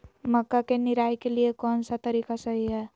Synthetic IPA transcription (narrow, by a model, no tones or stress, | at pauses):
məkːakeniɾajkeliekɔnsat̪əɾikasəɦiɦɛ